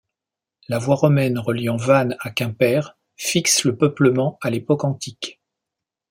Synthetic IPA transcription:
lavwaʁɔmɛnʁəljɑ̃vanakʲɛ̃pɛʁ | fiksləpœpləmɑ̃alepɔkɑ̃t̪ik

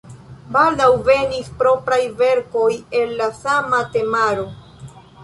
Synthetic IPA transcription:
baldawve̞nispɾo̞pɾajve̞ɾko̞je̞lːasamate̞maɾo̞

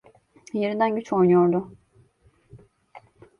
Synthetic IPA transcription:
jeɾind̪ænɟyt͡ʃo̞jnujoɾd̪ʊ

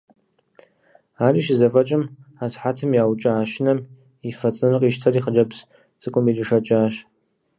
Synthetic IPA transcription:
aːriːʃzɐfɐt͡ʃʼɪmaːsħatʰɨmjaːwt͡ʃʼɐaːʃɪnɐm | ifɐt͡sʼnɨrɨqʼiːʃtʰɐriːχəd͡ʒɐps | t͡sʼɨkʷʼʊmiliʂɐt͡ʃʼaːʃ

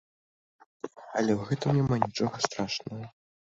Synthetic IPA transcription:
ɐlʲɛwɣɛt̪ɨmnʲɛmanʲit͡ʂɔɣɐst̪ɾaʂnɐɣɐ

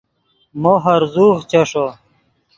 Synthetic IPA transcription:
moɦɐɾzuːʁt͡ɕɐʂo

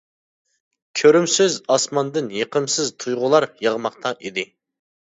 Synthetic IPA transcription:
kʲʰøɾymsɪzɑsmɑnd̪ɨnjeqʰəmsɪzt̪ʰujʁʊlˠɑɾjəʁmɑqt̪ʰɑʔid̪ɪ

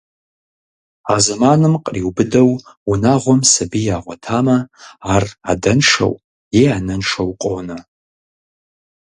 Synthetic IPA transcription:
azɐmaːnɨmqʼriwbɨdɐwunaːʁʷɔmsɐbijaːʁʷɔtʰaːmɐaːra̰dɐnʂɐ̰w | jeanɐnʂɐwqʷʼoːnɐ

